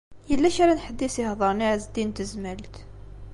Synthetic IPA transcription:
jəlːæʃaɾænħəd̪ːisihðˤəɾˤniʕzd̪int̪əzmælt̪

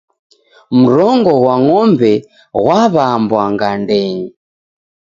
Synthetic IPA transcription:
m̩ɾɔŋɡɔwaŋɔmbɛ | ɣwaβambwaŋɡandɛɲi

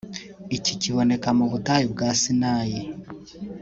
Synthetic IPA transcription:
iciciβo̞ne̞kamuβutajibɡaːsinaːji

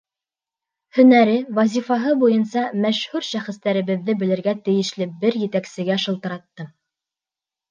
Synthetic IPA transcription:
hɵ̆næɾɘwɑzʲifɑɦɤbujɤnsɑmæʃhʉɾʃæχɘ̆st̪æɾɘ̆βɘ̆ðːɘbɘ̆lɘ̆ɾɡæt̪ɘ̆jɘ̆ʃlɘbɘɾjɘ̆t̪æksɘ̆ɡæʃɤ̆lˠt̪ɤ̆ɾɑt̪ːɤ

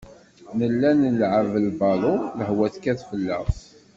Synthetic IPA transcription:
nəlːænəlʕəvəlbɑlʊləhwæθkæθfəlːæθ

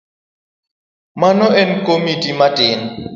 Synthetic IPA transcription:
manɔɛn̩kʼomitʼimatʼɪːŋ̩

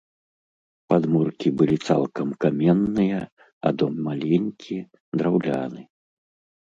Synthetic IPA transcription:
pad̪murkʲibɨlʲit̪sa̰lˠkɐmkamʲɛnːɨjɐ | ɐ̰d̪ɔmːalʲenʲkʲi | d̪ɾawlʲa̰nɨ

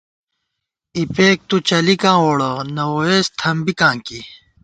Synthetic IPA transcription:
ipeːk̚t̪ut͡ɕɐlikãːoːɽɐnɐwoeːst̪ʰɐmbikãːŋki

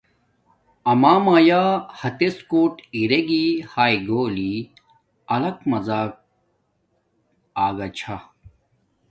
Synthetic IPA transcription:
ɐmaːmaːjaːhɐt̪eskoːʈiɾeɡihaːjɡoːli | ɐlɐkmɐzaːk̚ | aːɡɐt͡ɕʰa

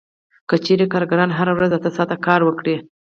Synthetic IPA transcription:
kət͡ʃeɾekɑɾɡaɾɑnɦaɾawɾazat̪əsɑt̪akɑɾwəkɽe

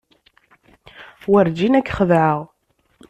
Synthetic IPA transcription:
wəɾd͡ʒinækːχəðʕəʁ

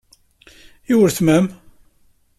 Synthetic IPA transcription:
jiwɾθmæm

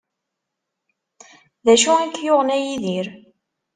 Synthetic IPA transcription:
ðæʃuækːjoʁnæjiðiɾ

